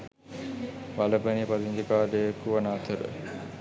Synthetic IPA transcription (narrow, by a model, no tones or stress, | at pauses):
ʋaləpɐnipad̪ind̪ikaːd̪eekuʋɐnaːt̪ʰəɾə̰